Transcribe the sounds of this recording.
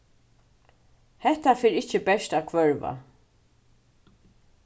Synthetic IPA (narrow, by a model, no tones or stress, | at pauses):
hɛht̪afeːɾɪht͡ʃəbɛʃt̪aːkʰvœɹva̰